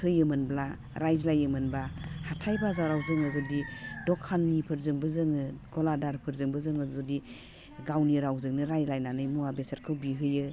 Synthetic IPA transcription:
hɯjɯmɯnbla | ɾajzlajɯmɯnbahatʰajbazawɾawzɯŋɯzɔdidɔkʰanːipʰɯɾzɯŋbɯzɯŋɯɡɔladaɾpʰɯɾzɯŋbɯzɯŋɯzɔdi | ɡawniɾawzɯŋnɯɾajlajnanɯjmuabesaɾkʰɯwbiɦɯjɯ

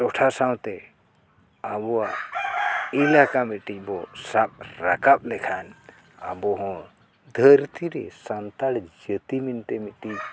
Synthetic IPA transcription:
t͡ʃɔʈʰasawt̪ɛ | abɔwa | ilakamiʈic̚bɔsap̚ɾakap̚lɛkʰan | abɔɦɔ̃ | d̪ʱəɾt̪iɾɛ̰sant̪aɽd͡ʒət̪imint̪ɛmiʈic

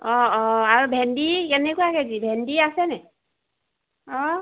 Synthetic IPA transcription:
ɔɔaɹubʱɛndikɛnɛkujakezibʱɛndiasɛnɛ | ɔ

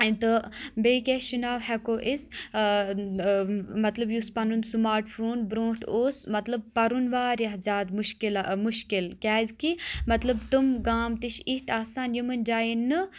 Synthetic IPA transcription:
it̪ɨbeːkʲeʃunaːwhɛkoːʔis | mɐt̪lɐbjuspɐnunsmaːɾʈfʰuːnbɾõːʈʰoːsmɐt̪lɐb̚pɐɾunʋaːɾjɐɦzʲaːd̪muʃkilmuʃkilkʲaːzkimɐt̪lɐbt̪umɡaːmt̪iʃiht̪ʰaːsaːnjimɨnd͡ʒaːinːɨ

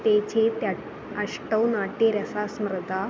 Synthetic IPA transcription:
t̪et͡ɕet̪ja | əʂʈəwnaʈeɾəsasmɾəd̪ʱa

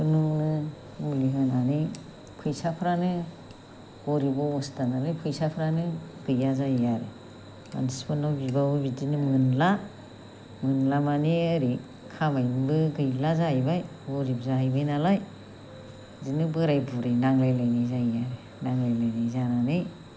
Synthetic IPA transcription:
bɯnuŋnɯ | uliŋananɯj | pʰɯjsapʰɾanɯ | ɡɔɾibaɔstanalɯjpʰɯjsapʰɾanɯɡɯjazajaɾɯ̰ | ma̰nispɯnabibaubitinɯmɯnla | mɯnlamaniaɾi | kʰabajmbɯɡɯjlazajbaj | ɡɔɾip̚zaɦajbajnalaj | zinɯbɯɾajbuɾajnaŋlajlajnajzaijaɾɯ | naŋlajlajnajzananɯj

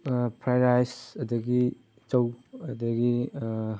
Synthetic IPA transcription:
pʰɾajɾajsɐdɐɡi | t͡ʃɐwɐdɐɡi

